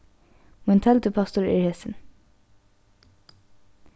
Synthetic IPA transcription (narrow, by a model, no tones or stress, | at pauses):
mʊnt̪ʰɛlt̪əpʰɑst̪ʊɹɪ̰ɹheːsɪn